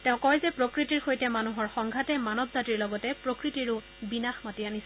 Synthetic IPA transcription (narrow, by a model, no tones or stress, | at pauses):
tɛ̃ʊ̃kɔjzɛpɹokɹitiɹxojtɛmanuɦɔɹxɔŋɡʱatɛmanɔbzatiɹlɔɡɔtɛpɹokɹitiɹʊ | binaxmatianis